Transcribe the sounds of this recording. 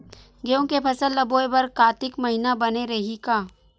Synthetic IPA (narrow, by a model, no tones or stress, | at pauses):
ɡeõkepʰɐsəlːɐboːebɐɾkaːt̪ɪkmɐɦɪnabɐneɾɐɦikaː